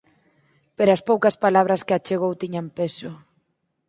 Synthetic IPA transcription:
peɾaspowkɐspalaβɾaskeat͡ʃeɣ̞owt̪iɲampeso

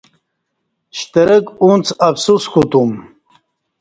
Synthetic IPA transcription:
ɕt̪əɾəkunt͡sʰafsuskʰut̪um

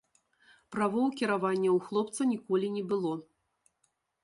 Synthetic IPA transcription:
pɾavɔwkʲiɾavanʲːɐwxlˠɔpt̪sɐnʲikɔlʲinʲɛbɨlˠɔ

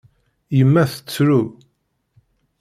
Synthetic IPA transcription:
jəmːæθə̥t͡sːɾu

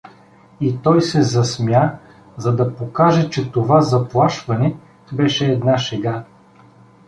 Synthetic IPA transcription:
it̪ɔjsɛzɐsmja | zɐd̪ɐpokaʒɛt͡ʃɛt̪ovazɐplˠaʃvɐnɛ | bɛʃɛːd̪naʃɛɡa

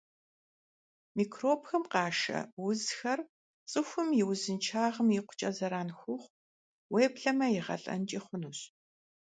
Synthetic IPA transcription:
miːkʰroːpxɐmqɑːʃɐ̰wʊzxɐr | t͡sʼɨxʷʊmjɪwzɨnt͡ʃʰaːʁəmjɪqʷʊ̥t͡ʃʼɐzɐɾaːnxʷʊχʷ | weːpɬɐmɐjɪʁɐ̰ɬʼɐ̰nt͡ʃʼiːχʷʊnuɕ

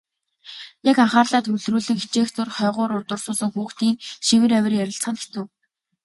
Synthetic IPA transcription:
jakaɴχaːrɮaːt̪ʰɵɮ̥ruːɮɘ̆ŋxi̥t͡ɕeːxt͡sʊrχœːʁʊːɾʊrt̪ʊ̆rsʊːɮə̆ŋxuːxt̪iːŋʃiwɘ̆ɾæwʲɪ̆rjæɾʲɪ̆ɬt͡sχə̆nɡe̥t͡sɘ̆ː

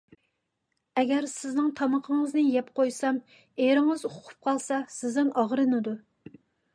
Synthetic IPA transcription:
ɛɡʲɛɾsɪznɪŋt̪ʰɑmɑqʰəŋəznɨjɛpqʰojsɑm | eɾɪŋɨzoqʰʊ̥p̚qʰɑlˠsɑsɪznɪŋɑʁɾɨnɨd̪u

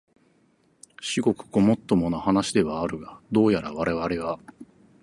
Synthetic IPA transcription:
ɕiɡo̞kɯ̟̥ɡo̞mo̞t̪ːo̞monohanaɕid̪e̞βaːɾɯ̟ɡad̪o̞ːjaɾaβaɾe̞βaɾe̞ɡa

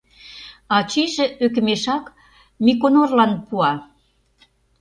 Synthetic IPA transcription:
ɑt͡ɕiʒĕøk̬ə̆meʃɑk | mikonorlɑnpuɑ

